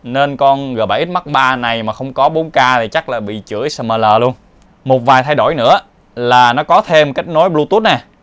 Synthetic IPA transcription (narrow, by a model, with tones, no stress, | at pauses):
ne˧nkɔ˧nɣɓa̰ː˧˩ʔi˦˥t̚ma˦˥k̚ɓaː˧na˨˩jmaː˨˩xə˧wŋ͡mkɔ˨˦ɓo˨˦nkaː˧t̪ʰi˨˩t͡ɕa˦˥k̚laː˨˩ɓḭ˧˨t͡ɕɨ̰˧˩əjsəː˧˩məː˨˩ləː˨˩lu˧ən | mo˨˩t̚vaː˨˩jt̪ʰa˧jɗo˧˩jnɨ̰˧˥ə | laː˨˩nɔ˨˦kɔ˨˦t̪ʰe˧mka˦˥jk̟̚no˨˦jɓlu˧t̪u˦˥t̚naː˨˩